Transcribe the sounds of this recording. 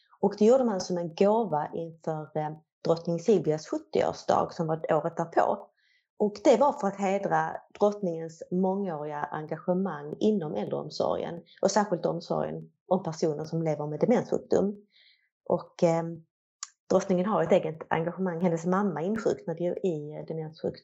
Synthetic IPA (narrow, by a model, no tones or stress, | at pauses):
ɔkd̪ɛjuːɖəmansɔmɛnɡoːvaʔɪnfœɾ | d̪̥ɾɔt̪nɪŋsɪlvɪasɧɵt̪ːɪo̰ːʂd̪ɑ̰ːɡsɔmvaoːɾət̪̚d̪æːɾpʰo̰ː | ʔɔkd̪ɛvaɾfœɾat̪ɦeːd̪ɾad̪̥ɾɔt̪nɪŋənsmɔŋːoːɾɪaʔaŋɡaɧəmaŋːɪnːɔmʔɛld̪ɾə̰ɔ̰msɔ̰ɾɪ̰ə̰nʔɔsæːɾɧɪlt̪ɔmsɔ̰ɾj̰ə̰n | ɔmpʰæʂuːnəʂɔmleːvəɾmɛd̪ɛmɛnsɧɵ̰k̚d̪̥ɵ̰m | ʔɔk | d̪̥ɾɔt̪nɪŋənɦaɾɛt̪eːɡət̪a̰ŋɡaɧəmaŋːhɛnd̪əsmamːaɪnːɧʏ̰kt̪nad̪ɛjɵɪd̪ɛmɛnsɧɵ̰k̪